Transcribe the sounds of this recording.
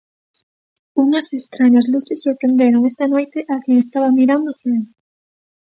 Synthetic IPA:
uŋɐsest̪ɾaɲɐzluθesːoɾpɾend̪eɾoŋest̪ɐnojt̪eʔakeŋest̪aβɐmiɾand̪ofɾen

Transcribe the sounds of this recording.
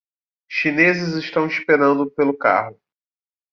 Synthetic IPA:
ʃinezɪzɪʃt̪ɐ̃w̃ispeɾɐ̃nd̪ʊpelʊka̰ɦʊ

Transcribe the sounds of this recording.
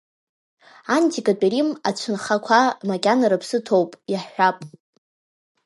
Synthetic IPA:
antʰikʼat͡pʼeɾimat͡ɕʷʰɨnχakʷʰamakʲʼanaɾapʰsɨtʰowpʼjaħħʷᶣapʼ

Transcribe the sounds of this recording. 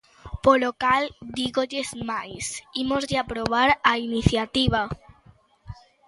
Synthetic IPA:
polokald̪iɣoʎezmajsimozðeapɾoβ̞aɾainiθjat̪iβ̞a

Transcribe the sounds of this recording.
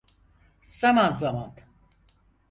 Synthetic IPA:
z̥amanzaman

